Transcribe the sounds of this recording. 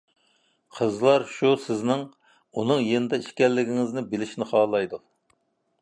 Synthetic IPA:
qʰəzlˠɑɾʃusɪznɪŋ | unɨŋjenɪd̪ɛiʃkʲɛlːɪɡʲiŋɪznɪbɪlɪʃnɪχɑːlˠɑjd̪u

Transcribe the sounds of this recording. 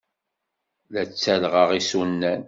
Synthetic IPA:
læt͡sːælʁəʁisunːæn

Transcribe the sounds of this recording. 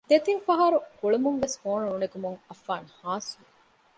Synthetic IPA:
d̪et̪infɐɦɐɾukuɭumuŋʋeshoːnuunekumuŋɐfːaːnhaːsuu

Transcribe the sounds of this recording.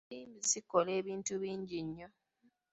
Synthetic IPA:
iːmbisikole̞ːβiːntuβiːɲɟiɲːo

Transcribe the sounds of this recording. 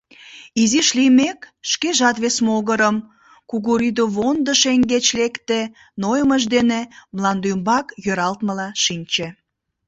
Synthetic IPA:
iziʃlimekʃkeʒɑt̪βesmoɣəɾəm | kuɣuɾid̪oβond̪əʃeŋɡet͡ɕlekt̪e | nojəməʒd̪enemlɑnd̪ymbɑkjøɾɑlt̪məlɑʃinʲt͡ɕe

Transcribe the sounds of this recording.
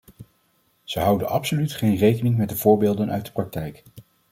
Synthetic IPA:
z̥əɦɑwdənʔɑpsolytχejnrejkənɪŋmɛtdəv̥ʊːɹbɪːlˠdənœ̰ɥ̚də̥prɑk̚tɛjk

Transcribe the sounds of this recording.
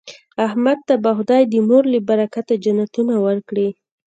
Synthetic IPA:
ahmad̪̚t̪abaxʊd̪ɑjd̪əmoɾlibaɾakat̪ad͡ʒanat̪unawəɾkɽi

